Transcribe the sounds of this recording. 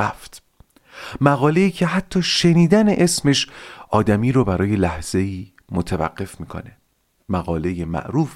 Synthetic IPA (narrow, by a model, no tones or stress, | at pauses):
aft̪ | mæɣɒːle̞iːcʰe̞ɦæt̪ʰːɒːʃe̞niːd̪æne̞ʔe̞sme̞ʃʔɒːd̪æmiːɾobæɾɒːje̞læhz̥e̞iː | mot̪ʰevæ̰ɢːe̞fmiːkʰo̞̰ne̞ | mæɣɒːle̞jemæ̰ʔɾuːf